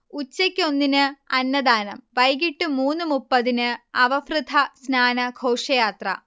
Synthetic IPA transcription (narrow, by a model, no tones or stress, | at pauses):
ut͡ɕːɐkʲːo̞nːinɨɐnːɐd̪aːnɐ̰mʋɐjɡiʈːɨmuːnːɨmupːɐðinɨɐʋɐfrɨd̪ʱʰɐsnaːnɐɡʱoːʂɐjaːt̪rɐ̰